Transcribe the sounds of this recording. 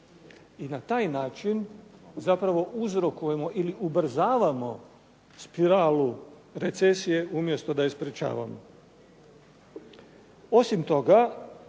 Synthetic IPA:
inat̪aːjnaːt͡ʃinzapɾaʋo̞ʔuzɾo̞kuje̞mo̞ʔiliʔubr̩zaːʋamo̞ | spiɾaːlu | ɾe̞t̪se̞sije̞ʔumje̞st̪o̞d̪aespɾet͡ʃa̰ːʋa̰mo̰ | o̞simt̪o̞ɡa

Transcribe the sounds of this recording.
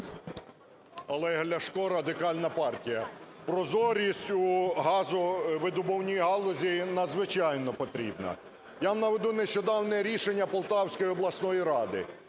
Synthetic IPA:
ɐlˠɛɦlʲɐʃkɔɾɐd̪ɪkɑlʲnɐpɑrtʲijɐpɾɔzɔɾʲisʲtʲuɦɑzʊʋɪd̪ʊbɔwnʲijiɦɑlˠɔzʲinɐd̪zʋɪt͡ʃɑjnɔpɔt̪ɾʲḭbnɐ̰ | jamnɐʋed̪uneʃt͡ʃɔd̪ɑwnɛɾʲiʃenʲːɐpɔlˠt̪ɑwsʲkɔjiɔblˠɐsnɔjiɾɑd̪ɪ̰

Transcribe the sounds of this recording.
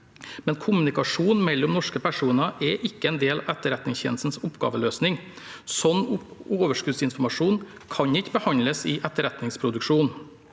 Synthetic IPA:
mɛnkʰʊmʉnɪkɑʂuːnmɛlːɔmnɔʂkəpʰæʂuːnɑʔɛʔɪkːəɛnd̪eːlɛt̪ːəɾɛt̪nɪŋsçɛ̰nsn̩sʊpɡɑ̰ːʋəløːsnɪŋ | sɔnːʊoːʋəʂkʉːd̪sɪnfɔɾmɑʂuːn | kʰɑɲɪkːbəhɑnləsɪʔɛt̪ːəɾɛt̪nɪŋspʰɾʊd̪ʉkʂuːn

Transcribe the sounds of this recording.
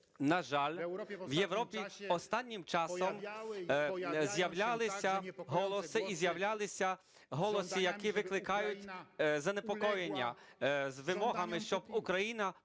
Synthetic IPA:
nɐʒɑlʲʋje̞wɾɔpʲiɔst̪ɑnʲːɪmt͡ʃɑsɔm | zʲjɐwlʲalˠɪsʲɐɦɔlˠɔsɪʔizʲjɐwlʲalˠɪsʲɐ | ɦɔlˠɔsijɐkiʋɪklˠɪkɑjʊtʲzɐnepɔkɔjenʲːɐ̰zʋɪmɔɦɐmɪʃt͡ʃɔbukɾɐjinɐ

